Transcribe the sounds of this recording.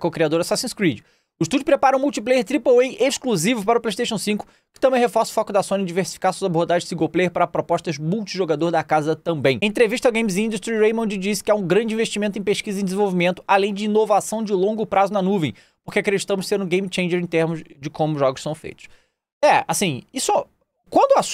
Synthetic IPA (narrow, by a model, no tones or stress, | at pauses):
koʊkɾiad̪oɾɐsasĩskɾid͡ʒɪ | ʊɪʃt̪ud͡ʒʊpɾepaɾɐũmuwt͡ʃiplejeɾt̪ɾipoejʔeʃkluzivʊpaɾɐʊplejʃt̪eʃɐ̃w̃sĩkʊ̥ | kɪ̥t̪ɐ̃mbẽj̃hefɔɾsʊ̥fɔkʊd̪ɐsõnɪ̃d͡ʒiveɾsi̥fi̥kaɾsuɐzaboɾd̪aʒẽɪsiɡowplejeɾpaɾɐpɾopɔʃt̪ɐʒmuwt͡ʃiʒoɡad̪oɾd̪ɐkazɐt̪ɐ̃mbẽj̃ẽt̪ɾeviʃt̪ɐɡẽj̃mizĩnd̪uʃt̪ɾiɾejmõd͡ʒɪd͡ʒisɪ̥kɪaũɡɾɐ̃d͡ʒɪĩveʃt͡ʃimẽnt̪ẽj̃peʃkizɐẽd̪ɪzẽvowvimẽnt̪ʊ̥alẽj̃d͡ʒɪinovasɐ̃w̃d͡ʒɪlõŋɡʊpɾazʊnɐnuvẽj̃ | poχkɪakɾed͡ʒit̪ɐ̃mʊʃsẽɾʊ̃ɡẽj̃mit͡ʃẽj̃d͡ʒeɾẽt̪eɾmʊzd͡ʒɪkõmʊʒɔɡʊʃsɐ̃w̃fḛjt̪ʊ̥s | ɛa̰sĩiso | kwɐ̃nd̪ʊas